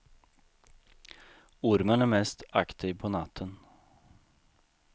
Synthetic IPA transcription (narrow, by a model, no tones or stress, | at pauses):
ʊɾmənæɾmɛst̪ɑ̰kt̪ʰiːʋpʰɔnɑt̪ʰən